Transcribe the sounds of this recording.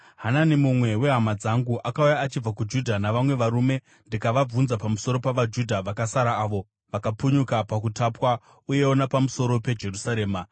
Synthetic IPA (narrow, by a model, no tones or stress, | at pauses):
ɦananimumwe̞we̞ɦamad͡zaŋɡuʔakaujaːt͡ʃib͡vakud͡ʒudʱanaʋamwe̞ʋaɾume̞ | ndikaʋab͡vunzapamuso̞ɾo̞paʋad͡ʒudʱaʋakasaɾaːʋo̞ | ʋakapuɲukapakutapwa | uje̞wonapamuso̞ɾo̞pe̞d͡ʒe̞rusaɾe̞ːma